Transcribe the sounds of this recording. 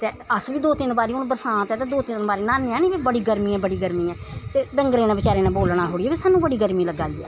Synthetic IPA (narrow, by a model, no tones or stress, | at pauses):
t̪eː | əsʋiːd̪oːt̪ɪnbaːɾiːʊnbəɾsãːt̪ɛːt̪aːd̪oːt̪ɪnbaːɾiːnaːnɛ̃ːnĩːbiːbəɽiːɡəɾmĩːɛ̃ːbəɽiːɡəɾmĩːɛ̃ː | t̪eːɖəŋɡɾẽːnãːbɪt͡ʃaːɾeːnãːboːlɳ̃aːɦoːɽiːɛːbiːsaːnːũːbəɽiːɡəɾmiːləɡa̰ːiːɛ̰ː